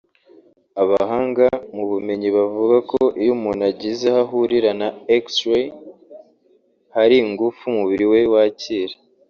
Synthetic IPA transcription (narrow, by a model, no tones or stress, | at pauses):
aβaɦaːŋɡamuβume̞ɲiβavuɡako̞ʔijumunaɟizahaɦuɾiɾanaekswe | haɾiŋɡufumuβiɾiwe̞waːciɾe